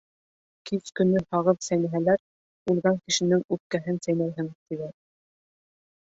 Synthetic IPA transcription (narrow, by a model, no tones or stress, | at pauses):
kiskɵ̆nɵhɑʁɤðsæjnæɦælæɾ | ulˠɣɑŋkɘ̆ʃɘ̆nɘŋʉp̚kæɦɘnsæjnæjɦɘŋt̪ilæ